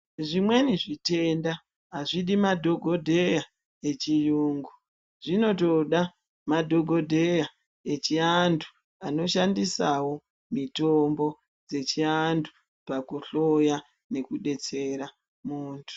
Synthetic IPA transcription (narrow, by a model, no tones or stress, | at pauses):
ʐimwe̞niʐite̞nda | ɦaʐiɗimadʱoɡʱo̞dʱeja | et͡ʃijuːŋɡu | ʐino̞to̞ɗa | madʱo̞ɡʱo̞dʱe̞ja | et͡ʃiandu | ano̞ʃandisawo̞ | mito̞mbo̞ | d͡ze̞t͡ʃiandu̥ | pakuɬo̞ja | ne̞kuɗe̞t͡se̞ɾa | muːntʰu̥